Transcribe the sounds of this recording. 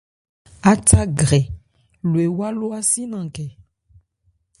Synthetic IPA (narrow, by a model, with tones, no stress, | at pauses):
a˦ta˦ɡɾɛ˨ | lo˨e˨wa˦lo˦a˦si˦nã˨kɛ˨